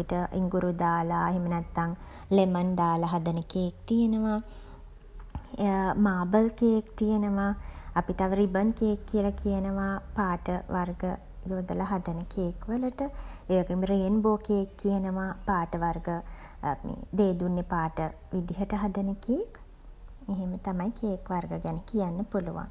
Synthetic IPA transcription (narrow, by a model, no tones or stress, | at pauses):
apiʈəḭŋɡuɾud̪aːlaɦemənæt̪ːaŋ | lemənd̪aːlaɦad̪ənəkek̚t̪ijənəʋa | maːbəlkejekt̪ijənəʋaːpiʈaʋəɾibənkeekːijəlakijənəʋapaːʈəʋarɡə | joːd̪əlaɦad̪ənəkeːkʋələʈəeːʋaɡemɾeenboːkekːijənəʋapaːʈəʋarɡə | mḛːd̪eːd̪unːepaːʈə | ʋid̪iɦəʈəɦad̪ənəkeːk | eɦemət̪amajkeːkʋarɡəɡænəkijanːəpuluʋa̰ŋ